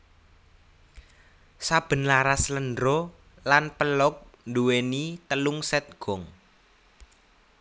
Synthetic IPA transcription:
sab̥ə̤nlaɾasləndɾɔ | lanpəlɔk̚nduwenit̪əluŋsɛt̪̚ɡ̥ɔ̤ŋ

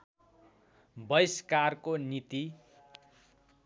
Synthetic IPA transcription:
bʌjskarkonit̪i

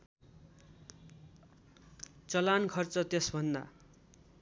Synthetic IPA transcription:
t͡sʌlankʰʌrt͡sʌt̪esbʱʌnd̪a̰

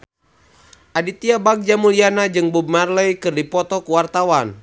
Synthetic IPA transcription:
ʔadit̪iabak̚d͡ʒamulianad͡ʒɨŋbub̚marlɛjkɨrdipɔt̪ɔkuwart̪awan

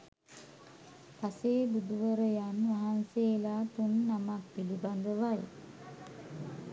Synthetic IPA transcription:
paseːbud̪uʋəɾəjanʋaɦanseːlaːt̪unːamak̚piliband̪əʋaj

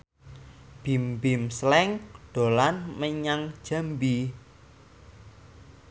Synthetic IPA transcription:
b̥imbimslɛŋɖ̥o̤lanməɲaŋd̥ʒ̥a̤mbi

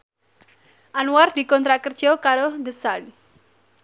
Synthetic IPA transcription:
ʔanuard̪̥i̤kɔnt̪ɾakərd̥ʒ̥ɔkaɾod̪əsan

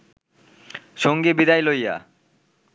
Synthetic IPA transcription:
ʃoŋɡibid̪ajlojːa̰

